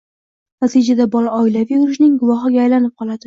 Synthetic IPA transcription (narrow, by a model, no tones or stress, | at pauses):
nat̪id͡ʒad̪abɒlaɒɪlavjuɾɪʃnɪŋɡʊvɒɦɪɡʲaːjlanɪp̚qʰɒlˠad̪ɪ